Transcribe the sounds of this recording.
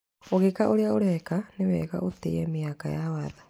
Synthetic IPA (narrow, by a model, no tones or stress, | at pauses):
oɣekaʔoɾeaoɾɛkanewɛ̰ɣa̰ʔotḛɛmeakajawaða